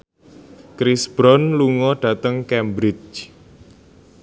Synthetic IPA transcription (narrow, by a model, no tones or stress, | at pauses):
kɾisb̥ɾɔnluŋɔɖ̥ä̤t̪əŋkɛmbɾɪt͡ʃ